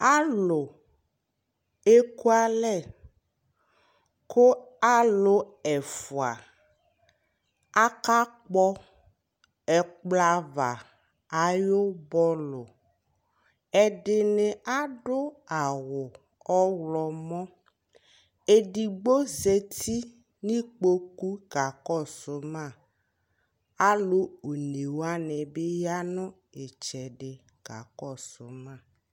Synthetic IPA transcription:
a˦lo˨ | e˦ku˦a˦lɛ˦˨ | kʰo˦a˦lo˦ | ɛ˨fo˨a̰˨ | a˦ka˦k͡pɔ˦ | ɛ˨k͡pla˦va̰˨ | a˨jo˦bɔ˦lo˨ | ɛ˨ɖɪ˨ne˨ʔa˦ɖʊ˦a˨wʊ˨ | ɔ˦wlɔ˨mɔ̃˦ | e˨ɖi˨ɡ͡bo˦se˦t̪i˦ | nĩ˦k͡po˦ku˦ɡ̥a˨kɔ˦˨sʊ˨mã˦˨ | a˦lo˦o˨ne˨wa˦nɛ˨be˦ja˦nʊ̃˦ | e˨t͡ʃɛ˨ɖɪ˨ | ɡ̥a˨kɔ˦˨sʊ˨mã˦˨

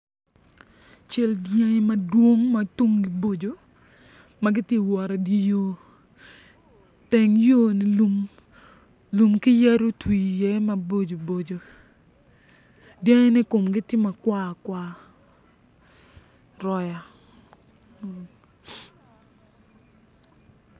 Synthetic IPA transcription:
t͡ʃɛ˦ldja˦ŋɪ˦mɐ˨dwo˦ŋma˨tu˦mɡɪ˨bo˦d͡ʒo˨ | ma˦ɡɪ˦tje˦wɔ˨ɾa˨di˦jo˦ | tɛ˨ŋjo˦nɪ˨u˦m | lu˨mkɪ˦jɛ˦ɾo˦twi˨jɛ˦ma˦bo˦d͡ʒo˨bo˨d͡ʒo˨ | dja˦ŋɪ˦nɪ˦ko˨mɡɪ˦tɪ˦ma˨kwa˦˨kwa˦ | ɾɔ˦ja˨

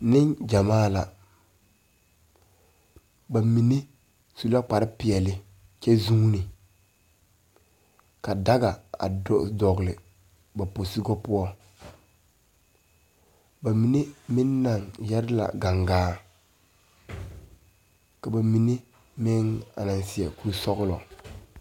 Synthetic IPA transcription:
nɪ˦ŋd͡ʒa˨maː˦la˨ | ba˨mi˨ne˦ | su˦˨la˦k͡pa˨ɾɪ˦pɪ˨ɛ˨lɪ˨ | t͡ʃɛ˦zu˦ŋ˦nɪ˨ | ka˨da˦ɡa˨a̰˨dɔ˨ɣlɪ˨ | ba˨po˨sɪ˦ɡɔ˦pʊ˦ɔ˦ | ba˨mi˨ne˦mɪ˦nː˦a˨ŋjɛ˦ɾɪ˦la̰˨ɡa˨ŋɡaː˦ | ka˨ba˨mi˨ne˦ | mɪ˦ŋa̰˨na˨nsɪ˨ɛ˨ku˦ɾsɔ˦ɣʊ˦lɔ˨

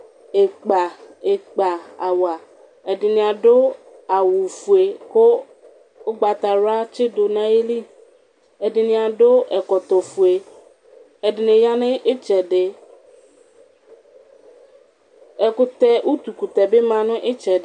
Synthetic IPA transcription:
e˨k͡pa˨ɪ˨k͡pa˨a˨wa˨ | ɛ˨dɪ˨nɪ̃˨a˨ɖʊ˦ | a˨wʊ˨fu˨e˨kʊ˦ | ʊ˦ɡ͡ba˨t̪a˨ɾa˦t͡ʃɪ˦dʊ˨nã˦e˦li˦ | ɛ˨dɪ˨nɪ̃˨a˨dʊ˦ɛ˨kɔ˨t̪ɔ˨fu˨e˨ | ɛ˨dɪ˨nɪ̃˨ja˦nɪ̃˦ʔɪ˦t͡ʃɛ˨dɪ˨ | ɛ˨kʊ˦t̪ɛ˦ʔu˦t̪u˨ku˨t̪ɛ˨bɪ˦mã˨nʊ̃˦ʔɪ˦t͡ʃɛ˨dɪ˦

